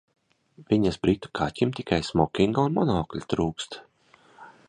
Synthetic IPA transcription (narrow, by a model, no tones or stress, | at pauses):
viɲasbɾit̪u̥kʰaːcʲimt̪ʲikʰajsmɔkʲiŋɡaunmɔnɔːklʲit̪ɾuːkst̪